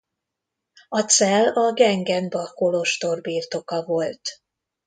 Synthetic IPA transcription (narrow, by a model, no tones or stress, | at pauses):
ɒt̪sɛlɒɡɛŋɡɛnbɒkoloʃt̪o̞rbiːrt̪o̞kɒvo̞lt̪